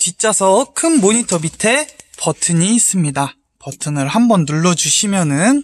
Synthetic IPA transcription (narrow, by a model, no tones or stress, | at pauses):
t͡ɕit͡ɕ͈asʰʌkʰɯnmoɲitʰʌbitʰe̞pʌtʰɯɲiːs͈ɯmɲida | pʌtʰɯnɯɭhambʌnːuɭːʌd͡ʑuɕʰimjʌnɯn